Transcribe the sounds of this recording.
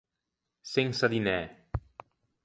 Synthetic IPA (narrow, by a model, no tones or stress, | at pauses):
seŋsaðinɛ